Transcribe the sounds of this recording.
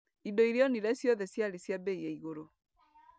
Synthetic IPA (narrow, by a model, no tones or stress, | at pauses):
idoiɾeɔniɾɛsjɔðɛsjaɾesjabeieiɣoɾo